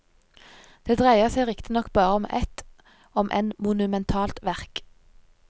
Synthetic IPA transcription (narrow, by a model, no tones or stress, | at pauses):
d̪̥eːd̪ʁæɪəʁsæɪʁɪkt̪ɪnɔkbɑːʁəɔmʔɛ̰t̪ | ɔmʔɛ̰nmʊnʉmɛnt̪ʰɑːlt̪ʋæʁk